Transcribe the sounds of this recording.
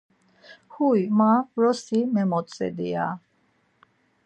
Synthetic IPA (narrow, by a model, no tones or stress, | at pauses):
huimaɾɔsimɛmɔt̪sʼɛ̰d̪ia̰